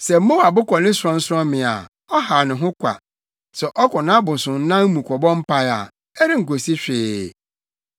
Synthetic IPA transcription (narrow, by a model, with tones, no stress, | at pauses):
sɛ˨m̩˦mo˦wa˨bʊ˦kɔ˨nɪ̃˦sʊ˨ɾɔ̃˦n̩˦sɔ̃˦mɪ̃˨a̰˨ | ɔ˦ha˨nʊ̃˨ɦʊ̃˦kʷʰa̰˨ | sɛ˨ʔɔ˦kʊ˨nã˦bʊ̃˨sʊ̃˨n̩˦nã˦m˦mũ˨kʰɔ˨bɔ̃˦m̩˦pʰa˦a̰˨ | ɛ˦ɾɪ˦ŋ̩˨ko˨si˦ɕᶣɪː˨